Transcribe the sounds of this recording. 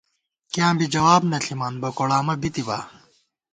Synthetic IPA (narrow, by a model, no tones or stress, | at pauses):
kijãːbid͡ʑɐwaːbnɐɬʰimaːnbɐkoɽaːmɐbit̪iba̰ː